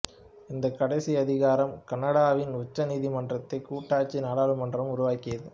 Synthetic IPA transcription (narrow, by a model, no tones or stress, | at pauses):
ɪnd̪ɐkːɐɽɐɪsiɐðɪɣaːɾɐmkɐnːɐɽaːʋɪnʊt͡ʃːɐniːðimɐndrɐt̪ːɐɪkːuːʈːaːt͡ʃːinaːɽaːɭɯmɐndrɐmʊɾʊʋaːkɪjɐðɯ